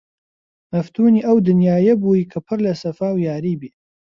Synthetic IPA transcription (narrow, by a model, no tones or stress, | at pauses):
nɐft̪ʰuːniːʔɐwd̪ɨnjaːjɐbuikʰɐpʰɨɾlɐsɐfaːwjaːɾiːbe